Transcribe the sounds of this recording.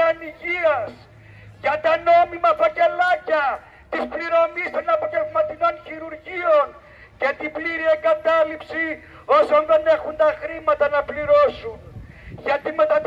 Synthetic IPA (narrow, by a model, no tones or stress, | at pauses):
ɐniʝiɐs | ʝɐt̪ɐno̞mimɐfɐce̞lɐcɐ | t̪ispliɾo̞mist̪onɐpoʝevmɐt̪ino̞nçiɾuɾʝio̞n | cet̪ibliɾie̞ŋɡɐt̪ɐlipsi | o̞sonðe̞ne̞xund̪ɐxɾimɐt̪ɐnɐpliɾo̞sunʝɐt̪imet̪ɐt̪